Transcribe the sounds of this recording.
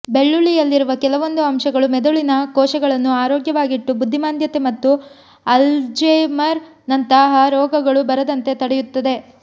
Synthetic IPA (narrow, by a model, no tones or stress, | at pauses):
be̞ɭːuɭijɐlːiɾuʋɐkɛlɐʋo̞nd̪uɐmʃɐɡɐɭumɛd̪uɭinɐkɔːʂɐɡɐɭɐnːuaːɾoːɡjɐʋaːɡiʈːubud̪ʱːimaːnd̪jɐt̪emɐt̪ːu | ɐld͡ʒemɐɾ | nɐnt̪ɐɦɐɾɔːɡɐɡɐɭubɐɾɐd̪ɐnt̪e̞t̪ɐɽejut̪ːɐd̪e̞